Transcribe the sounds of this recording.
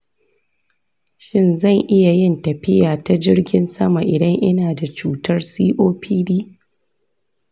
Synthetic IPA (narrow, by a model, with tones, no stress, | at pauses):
ʃɪ˦nzɐ˦˨ŋʔɪ˦ja˨jɪ˦ntɐ˨ɸɪ˦jaː˨ta˦d͡ʒɪ˦rɡʲɪ˦nsɐ˦ma˨ʔɪ˨dɐ˦ŋʔɪ˦naː˨da˨t͡ʃuː˦tɐ˦rsiː˦ʔoː˦pʰiː˦diː˦